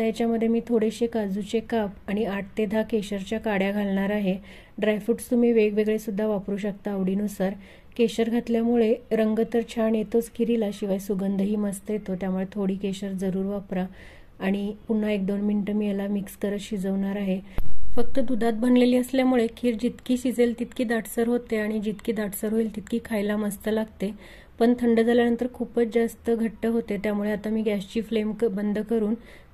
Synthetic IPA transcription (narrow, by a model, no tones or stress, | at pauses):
jat͡ɕjaməd̪ʱːjemiːt̪ʰoɽeɕekad͡zut͡ɕekapaɽ̃iaʈt̪ed̪ʱakeɕəɾt͡ɕjakaɽjaɡʱalɳaɾaɦe | ɖɾajfuʈst̪um̤iːʋeɡʋeɡɭesud̪ʱːaʋapɾuːɕək̚t̪aːʋɽiːnusaɾ | keɕəɾɡʱat̪ljamuɭeɾəŋɡət̪əɾt͡ɕʰaɳjet̪ot͡skʰiɾilaɕiʋajsuɡənd̪ʱəɦiːməst̪əjet̪ot̪jamuɭet̪ʰoɽiːkeɕəɾd͡zəɾuːɾʋapɾaː | ɽ̃ipuɳ̤ɳaek̚d̪onmiɳʈəmiːjelamikskəɾəɕid͡zəʋɳaɾaɦefək̚t̪əd̪ud̪ʱat̪̚bənleliːəsljamuɭekʰiːɾd͡ʑit̪kiːɕid͡zelt̪it̪kiːd̪aʈsəɾɦot̪eaɽ̃id͡ʑit̪kiːd̪aʈʰsəɾɦoilt̪it̪kʰiːkʰajlaməst̪əlaɡt̪e | pəɳt̪ʰəɳɖəd͡zʱaljanənt̪əɾkʰuːpət͡sd͡zast̪əɡʱəʈːəɦot̪et̪jamuɭeat̪amiːɡæɕt͡ɕiːflemkbənd̪ʱəkəɾuːn